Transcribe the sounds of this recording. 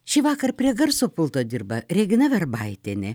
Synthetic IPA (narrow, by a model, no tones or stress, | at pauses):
ʃʲɪʋɑːkɐɾpʲɾʲiɛɡɐɾsoːpʊlˠt̪oːd̪ʲɪɾbɐɾʲɛɡʲɪnɐʋʲɛrbɐɪt̪ʲenʲɛ